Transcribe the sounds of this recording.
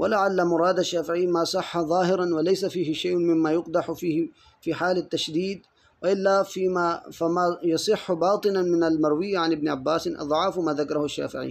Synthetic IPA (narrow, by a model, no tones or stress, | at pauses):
walaʕalːamʊɾˤɑːd̪aʃːaːfɪʕijːmaːsˤɑħːaðˤɑːɦɪɾˤɑnwalajsafiːhɪʃajʔmɪmːaːjʊqd̪ɑħfiːh | fiːħaːlat̪ːaʃd̪iːd̪ | waʔɪlːafiːmafamajɑsˤɨħːbɑːt̪ˤɨnamɪnalmɑɾˤwɪjːaʕanʔɪbnɪʕabːaːsɪnʔɑ̰ðˤʕɑːfmaːðakɑɾˤɑhʊaʃːa̰ːfɪ̰ʕḭ